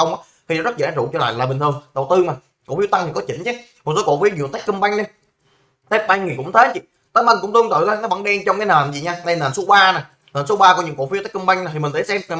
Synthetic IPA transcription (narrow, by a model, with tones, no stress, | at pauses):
ə˧wŋ͡mʔaː˨˦t̪ʰi˨˩nɔ˨˦zə˦˥t̚za̰ː˨˥zʊ̰˧˩t͡ɕɔ˧la̰ː˧˨laː˨˩ɓŋ̟t̪ɨ˨˩əŋɗə˨˩wt̪ɨ˧ma˨˩ | ko˧˩fi˦ət̪a˧ŋʰi˨˩kɔ˨˦t͡ɕï˧˩˦ŋ̟t͡ɕɛ˨˦ | mo˨˩t̚so˨˦ko̰˧˨fi˨˦ɲḭ˧˨ə˩t̪a˦˥k̟kɨ˧mɓa˧jŋ̟ɗi˧ | t̪e˦˥p̚maː˧ŋi˨˩kʊ̰˧˥ŋ͡mt̪ʰeː˨˦t͡ɕḭ˧˨ | t̪əː˨˦jma˧jŋ̟kʊ̰˧˥ŋ͡mt̪ɨ˧əŋt̪ɨ̰˧˨laː˧˦nɔ˨˦ɓa˧˩ŋɗɛ˧nt͡ɕɔ˧ŋ͡mkaː˨˦nəː˨˩nzi˨˩ɲaː˧na˧jnəː˨˩nso˨˦ɓaː˧na˨˩j | nəː˨˩nso˨˦ɓaː˧kɔ˧˦ɲɨ̰˧˥ŋko̰˧˩fi˨˦t̪a˦˥k̚kɨ˧mɓa˧jŋna˨˩i˨˩ï˨˩ŋ̟ɗ̪ʰe˧˨˦sɛ˧m˨˩